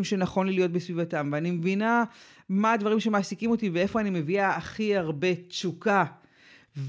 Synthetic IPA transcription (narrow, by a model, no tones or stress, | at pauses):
mʃenaχo̞nlijo̞t̚besvivatamveanimevina | maːdvaʁimʃe̞maːsikimo̞tivee̞fo̞animeviaːχiaʁbe̞t͡suka | v